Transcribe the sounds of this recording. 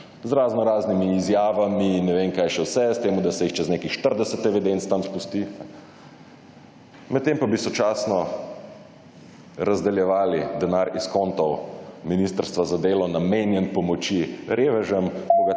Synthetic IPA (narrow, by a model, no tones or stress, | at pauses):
zɾaːznɔɾaːznimiːzjaːʋaminːɛʋenkaːjʃɛwsɛst̪eːmud̪asɛjixt͡ʃɛzneːkixʃt̪əɾd̪ɛsət̪ɛʋɛd̪ent̪st̪amspust̪iɛ | mɛt̪t̪ːempabisɔt͡ʃaːsnɔ | ɾazd̪ɛljɛʋaːlid̪ɛnaɾiskɔnt̪ɔwminist̪əɾst̪ʋazad̪eːlɔnameːnjɛnpɔmɔt͡ʃiɾeːʋɛʒəmkɔɡa